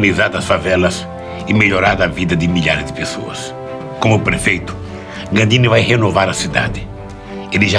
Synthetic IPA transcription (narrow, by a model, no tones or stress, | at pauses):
nizaɾd̪ɐsfavɛlɐs | ɪmeʎoɾaɾd̪ɐvid̪ɐd̪ɪmiʎaɾɪzd̪ɪpesoɐ̰s | kõmʊpɾefejt̪ʊ̥ | ɡɐ̃d̪ĩnɪvajhenovaɾɐsid̪a̰d̪ɪ | elɪʒa